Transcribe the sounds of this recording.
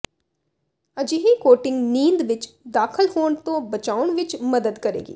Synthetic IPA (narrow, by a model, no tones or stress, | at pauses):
əd͡ʒiːɦikoːʈɪ̃ŋɡniːnd̪ʋɪt͡ʃ | d̪aːkʰəlfoːɳt̪õːbət͡ʃaːʊɳʋɪt͡ʃməd̪əd̪kəɾḛːɡḭː